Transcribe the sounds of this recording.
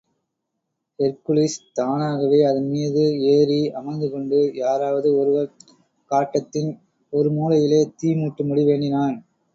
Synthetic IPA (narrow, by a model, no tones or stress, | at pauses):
ɛɾkʊliːst̪aːnaːɣɐʋeːɐðɯnmiːðɯeːɾiɐmɐɪnd̪ɯkɔɳɖɯjaːɾaːʋɐðɯɔɾɯʋɐɾ | kaːʈːɐt̪ːɪn | ɔɾɯmuːlɐjɪleːt̪iːmuːʈːɯmʊɽiʋeːɳɖɪnaːn